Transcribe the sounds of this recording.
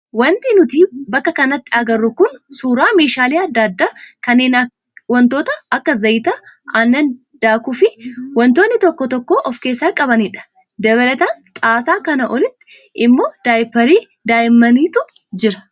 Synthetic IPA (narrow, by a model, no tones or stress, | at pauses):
wɐnt̪ɪnʊt̪iːbɐkːɐkɐnɐt̪ːɪɐɡɐrːʊkʊnsuːɾaːme̞ːʃaːliːɐd̪ːad̪ːaːkɐnːeːn | wɐnt̪oːt̪ɐɐkːɐzɐjt̪ɐɐnːɐn | d̪̥aːkʊfɪwɐnt̪o̞ːnːɪt̪ɔkːɔt̪ɔkːoːʔɔfke̞ːsːaːkʼɐbɐniᶑɐ̥ | d̪ɛbɐlɐt̪aːnt̪ʼaːsaːkɐnɐʔɔlɪt̪ːɪ̥ | ʔɪmːoːd̪̥aːjɪpːɐɾiː | d̪aːjɪmːɐniːt̪ʊ | d͡ʒɪɾɐ̥